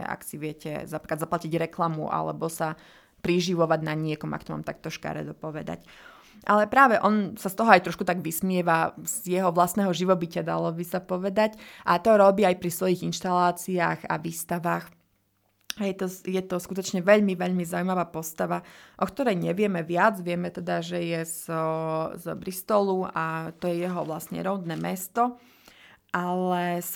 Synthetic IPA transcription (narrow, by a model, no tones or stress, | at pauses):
a̰ksiʋɪɛcɛ̰zapikad̪zaplaciɟɾɛklamṵʔa̰lɛ̰bɔsa | pɾiʒiʋɔʋaɟnaɲɪɛkɔma̰kt̪ɔma̰ːmt̪ak̚t̪ɔʃka̰ɾɛ̰d̪ɔpɔʋɛd̪a̰c | ʔalɛpɾaːʋɛʔɔnsast̪ɔɦɔajt̪ɾɔʃkut̪aɡʋismɪɛʋazjɛɦɔʋlast̪nɛɦɔʒiʋɔbicad̪a̰lɔbisapɔʋɛd̪acʔat̪ɔɾɔbiːajpɾisʋɔjiɣinʃt̪alaːt͡siaːxa̰ʋiːst̪aʋaːx | ɦɛjɛt̪ɔjɛt̪ɔskut̪ɔt͡ʃɲɛʋɛʎmiʋɛʎmizaumaʋaːpɔst̪aʋaʔɔkt̪ɔɾɛjɲɛʋɪɛmɛʋɪad͡zʋɪɛmɛt̪ɛd̪aʒɛjɛz | zbɾist̪ɔluat̪ɔjɛjɛɦɔʋlasɲɛ̰ɾɔʊd̪nɛːmɛst̪ɔ | ʔalɛ